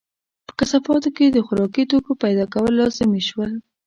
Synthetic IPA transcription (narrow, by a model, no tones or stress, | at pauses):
pə̥kasafɑt̪oked̪əxʊɾɑkit̪okopajd̪ɑkawəlːɑzɪmeʃwəl